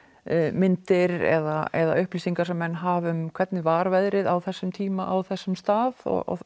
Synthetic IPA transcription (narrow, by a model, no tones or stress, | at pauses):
mɪnt̪ɪɾɛ̰ðaɛða̰ʏhpliːsiŋkaɾ̥sɛmːɛnːɦaːvʏmkʰv̥ɛt̪nɪvaːɾvɛjðɾɪðawθɛsːʏmt̪ʰiːmaʔawθɛsːʏmst̪aːðɔ̰ɣ̰